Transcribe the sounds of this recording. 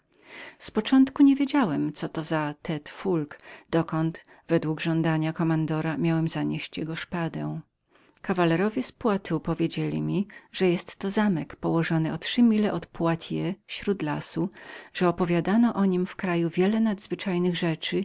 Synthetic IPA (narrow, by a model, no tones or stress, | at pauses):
spɔt͡ʂɔnt̪kuɲevʲjed͡ʑawɛmt̪sɔt̪ɔzat̪ʰɛt̪fulkd̪̥ɔkɔnt̪ | vɛd̪wuɡʐɔnd̪aɲakɔmand̪ɔɾamʲjawɛmzaɲeɕt͡ɕjɛɡɔʂpad̪ɛw̃ | kavalɛɾɔvʲjɛspwat̪upɔvʲjed͡ʑelʲḭmʲiʐ̥ɛjɛst̪ːɔzamɛkpɔwɔʐɔnɨɔt̪ʂɘmʲilɛʔɔt̪pwat̪ʲʰjɛfɕɾud̪lasuʐ̥ɛɔpɔvʲjad̪anɔʔɔɲimfkɾajuvʲjɛlɛnad̪zvɘt͡ʂajnɘɣʐɛt͡ʂɘ